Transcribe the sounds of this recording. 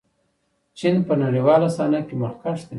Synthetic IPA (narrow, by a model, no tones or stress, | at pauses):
t͡ʃinpənaɽiwɑlasɑnakemʊlkɑʂt̪e